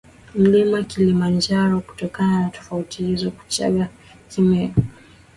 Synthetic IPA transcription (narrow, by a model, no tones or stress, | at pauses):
m̩limakilimand͡ʒaɾɔku̥tɔkananatɔ̥fautihizɔku̥t͡ʃa̰ɠa | kimɛɔ